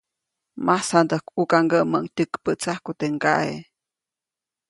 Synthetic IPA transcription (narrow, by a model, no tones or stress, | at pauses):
masand̪əhkukaŋɡəʔməʔŋt̪ʲəkpəʔt͡sahkut̪eŋɡa̰ʔḛ